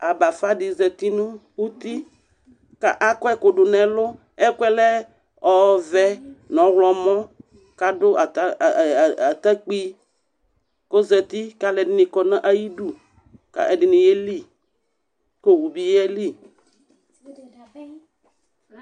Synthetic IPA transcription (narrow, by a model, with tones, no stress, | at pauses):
a˨ba˨fa˦dɪ˨zɛ˨t̪i˦nũ˦wu˦t̪i˦ | ka˦ʔa˦kɔ˦ɛ˦kʊ˨ɖʊ˨nɛ̃˨lʊ˦ | ɛ˦kɛ˦lɛ˦ | ɔ˨vɛ˦nɔ̃˨ɣlɔ˨mɔ̃˦ | ka˨dʊ˦a˨˦˨a˨t̪a˦k͡pi˦ | ko˦zɛ˨t̪i˦ka˦lɛ˨dɪ˦nɪ̃˨kɔ˨nã˦ʔa˨ji˦du˨ | ka̰˦ʔɛ˨dɪ˨nɪ̃˨je˦li˦ | ko˨wu˨bi˦jɛ˦li˦